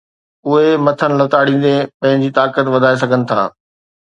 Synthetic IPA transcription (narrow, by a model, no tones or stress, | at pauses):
ʊɦemɐt̪ʰənɪ̆lɐt̪aːɽĩːn̆d̪epɐ̃ɦɪ̃ɲd͡ʑiːt̪aːkət̪ʋɐd̪ʱaːes̬ɐɡʱənɪ̆t̪ʰa̰ː